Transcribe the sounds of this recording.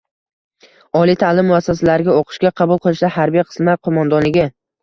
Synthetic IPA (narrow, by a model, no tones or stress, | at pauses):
ɒlˠijt̪ʰalɪmːʊasːas̬alaɾɪɡʲaoqʰɨ̥ʃkʲaqʰɑbʊlˠqʰɨlˠɪʃd̪ahaɾbijqʰɨ̥smlaqʰomand̪ɒnlɪɡʲɪ